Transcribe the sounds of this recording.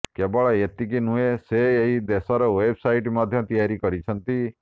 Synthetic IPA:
kebɔɭɔet̪ikinueseːɦid̪esɔɾɔwebsajʈmad̪ʱjɔt̪ijaɾikɔɾit͡ʃʰɔnt̪i

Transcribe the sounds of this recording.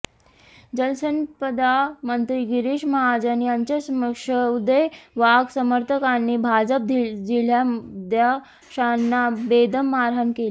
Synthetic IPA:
d͡ʑəlsənpəd̪amənt̪ɾiɡiɾiʂməɦad͡ʑənjaɲt͡ɕəsməkʂəud̪əjʋaɡsəməɾt̪ʰəkanːibʱad͡ʑəp̚d̪ʱid͡ʑil̤jamd̪ja | ʂanːabed̪əmːaɾɦankeli

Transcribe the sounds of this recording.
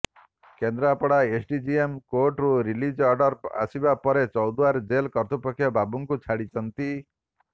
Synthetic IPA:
kend̪ɾapɔɽaesʰɖid͡ʒiemkoʈɾuɾilid͡ʒɔɾɖɔɾa̰sibapɔɾet͡ʃɔwd̪uaɾd͡ʒelkɔɾt̪upɔkʰːjɔbabuŋkut͡ʃʰaɽit͡ʃʰɔnt̪i

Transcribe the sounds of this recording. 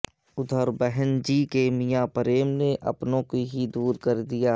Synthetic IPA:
ʊd̪ʱəɾbɛɦənd͡ʒiːkemijapəɾeːmneʔɐ̰pnõkiɦid̪uːɾkɐɾd̪ijaː

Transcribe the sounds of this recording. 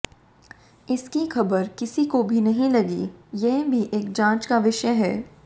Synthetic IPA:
ɪskixʰɐbəɾkɪsikobʱinɐɦĩlɐɡḭjɛɦbʱiʔeːk̚d͡ʒãːt͡ʃkaʋɪʃəɦɛː

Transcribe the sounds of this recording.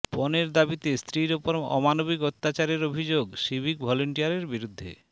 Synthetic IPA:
pɔneɾd̪abit̪est̪ɾiɾopoɾɔ̰manobikot̪ːat͡ɕaɾeɾobʱid͡ʑoɡʃibʱikbʱɔloɳʈijaɾeɾbiɾud̪ʱːḛ

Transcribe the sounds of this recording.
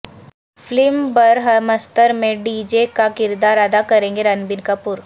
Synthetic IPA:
flɪmbɐɾɦɐmɐst̪əɾmẽɖiːd͡ʒekakɪɾd̪aːɾɐd̪akɐɾẽːŋɡeɾɐnbɪnkapʊɾ

